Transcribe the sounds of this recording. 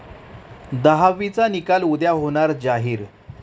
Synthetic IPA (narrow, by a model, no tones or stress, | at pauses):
d̪əɦaʋit͡sanikalud̪jaɦoɳ̃aɾd͡ʑaɦiːɾ